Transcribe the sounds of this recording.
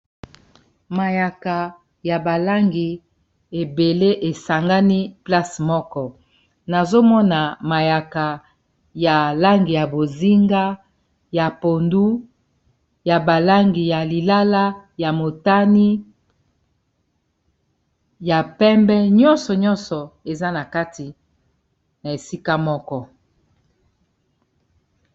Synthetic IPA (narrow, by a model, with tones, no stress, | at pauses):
ma˨ja˨ka˨ | ja˨ba˨la˦ŋɡi˨ | e˨be˨le˦ʔe˨sa˨ŋɡa˦ni˦pla˦smɔ˦kɔ˦ | na˨zo˦mɔ˦na˨ma˨ja˨ka˨ | ja˨la˦ŋɡi˨ja˨bo˨zi˦ŋɡa˦ | ja˨po˨ndu˦ | ja˨ba˨la˦ŋɡi˨ja˨li˨la˦la˦ja˨mo˨ta˦ni˦ | ja˨pɛ˦mbɛ˦ɲɔ˦nsɔ˨ɲɔ̃˦nsɔ˨e˨za˦na˨ka˦ti˨ | na˨e˨si˦ka˦mɔ˦kɔ˦